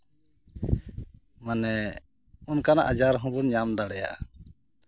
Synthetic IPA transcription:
manɛ | unkana̰ʔad͡ʒaɾɦɔ̃bunɲamd̪aɽɛja̰

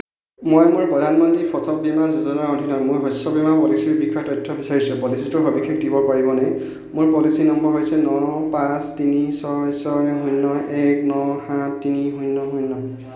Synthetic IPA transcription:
mojmʊɹpɹɔdʱanmɔntɹipʰɔsɔp̚bimazuzɔnɔɹodʱinɔmʊjɦɔsɔbimapɔlisiɹbikʰːɔtɔjtʰːɔbisaɹisʊ̃pɔlisitʊɦobikʰːek̚dibɔpaɹibɔnɛ | mʊɹpɔlisinɔmbɔɹɦojsɛnɔpãstinisɔjsɔnɛɦujnːɔʔɛknɔhatːiniɦujnːɔɦujnːɔ

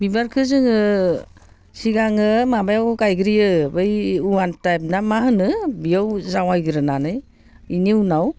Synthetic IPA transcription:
bibaɾkʰɯzɯŋɯ | siɡaŋɯmabajawkajɡɯɾijɯbɯjuantajp̚namaɦɯnɯbijawzawajɡɯɾɯnanɯj | iniunaw

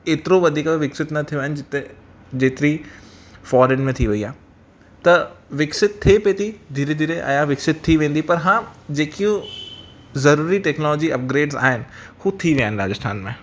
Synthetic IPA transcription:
eːt̪ɪɾoʋɐd̪ʱiːkʋɪksɪt̪nɐt̪ʰiʋẽnɪd͡ʑɪt̪e | d͡ʑeːt̪ɪɾi | fɔːɾẽnmẽt̪ʰiʋɐiaː | t̪ɐʋɪksɪt̪t̪ʰːepeːt̪id̪ʱiːɾed̪ʱiːɾeʔɐ̰jaʋɪksɪt̪t̪ʰːiʋẽːn̆d̪ipɐɾɦãːd͡ʑeːkijũ | zɐɾuːɾiʈɛːknɔːlɔːd͡ʑiɐp̚ɡɾeːɖza̰ːɦɪnɪ̆hut̪ʰiʋiaːɦɪnɪɾaːd͡ʑəst̪ʰa̰ːnmẽː

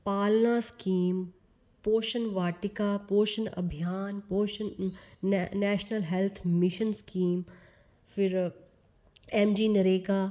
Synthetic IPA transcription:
paːlnaskiːm | poːʃənʋaːʈɪkaːpoːʃənɐ̰bʱijaːnpoːʃən | nɛːʃnəlɦɛlt̪ʰmɪʃənskiːm | fɪɾ | eːmd͡ʒiːnɐɾeːkaː

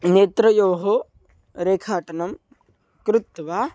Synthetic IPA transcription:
neːt̪ɾɐjoːɦo | ɾeːkʰaːʈɐnɐm | kɾut̪ːʋaː

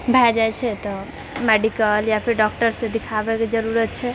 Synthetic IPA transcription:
bʱajd͡ʒajt͡ʃʰɛt̪ɔ | mɛɖikəljapʰiɾɖɔk̚ʈəɾsẽd̪ikʰabɛked͡ʒəɾuɾət̪̚t͡ʃʰɛ

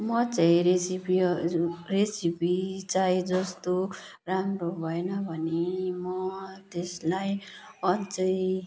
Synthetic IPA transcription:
mʌt͡saĩɾesipi | resipit͡sajd͡zʌst̪o | ramrobʱʌenʌbʱʌnemʌt̪eslajʌt͡sʌj

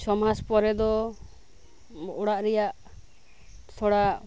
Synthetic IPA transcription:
sɔmaspɔɾɛd̪ɔ | ɔɽaʔɾɛjaʔ | t̪ʰɔɽaʔ

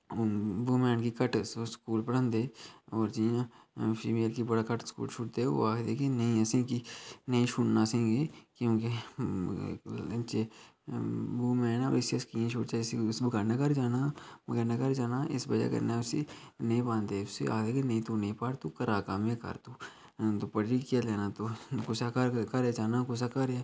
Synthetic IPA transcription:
buːmɛːnkikəʈsskuːlpəɽə̃nd̪eːɔːɾd͡ʒiːã | pʰḭːmeːlkibəɽakəʈskṵːlt͡ʃʰʊʈt̪eo̰aːkd̪eːkenɐɦĩəsĩkinɐĩʃʰʊɽnasẽːɡekjõːke | t͡ʃe | buːmẽɛna̰ɾɪsəskiẽʃoːɽt͡ʃaɪsisbɡaɾnakɐɾd͡ʒaːnabɐɡəɾnakɐɾd͡ʒaːnaɪsbɐd͡ʒa̰kɐ̰ɾnaʊsḭnɐɦĩpãːnt̪eʊsḭa̰ːkd̪eːkʰenɐĩt̪unĩpaːɽt̪ukɐɾaːkamẽkɐ̰ɾt̪uː | t̪opɐʈikaleːnat̪okʊsakaɾkɐɾɛt͡ʃaːnakʊsakɐɾɛ

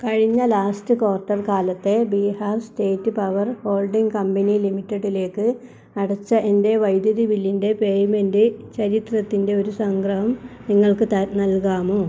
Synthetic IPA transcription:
kɐɻiɲːɐlaːstɨkoːrʈːɐrkaːlɐt̪ːe̞biːhaːrsteːtːɨpɐʋɐrho̞ːlɖiŋɡkɐmbɐnilimitːeɽile̞ːkːɨ | ɐɽɐt͡ɕːɐʔe̞nde̞ʋɐjd̪jɐðiʋilːinde̞pe̞ːjme̞ndɨt͡ɕɐɾit̪rɐt̪ːinde̞o̞ɾusɐŋɡrɐɦɐmniŋːɐɭkɨt̪ɐnɐlkaːmoː

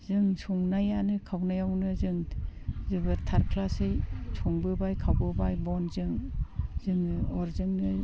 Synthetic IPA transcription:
zɯŋsʰuŋnajanɯkʰawnajawnɯzɯŋzɯbɯtʰaɾkʰlasɯjsʰuŋbɯbajkʰawbɯbajbɔnzɯŋzɯŋɔɾzɯŋnɯ

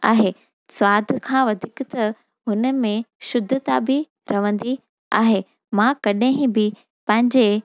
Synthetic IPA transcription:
a̰ːɦeː | swaːd̪ʱkʰãːʋɐd̪ʱɪkt̪ɐ | ɦʊnəmẽʃʊd̪ʱʊt̪abɪ | ɾɐʋə̃nd̪i | a̰ːɦe | mãkɐɗẽɦĩbɪ | pɐ̃ɦɪ̃ɲd͡ʑe

